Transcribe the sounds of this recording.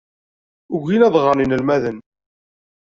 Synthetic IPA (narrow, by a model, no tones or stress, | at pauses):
ʊɣinæðˤʁəninəlmæðən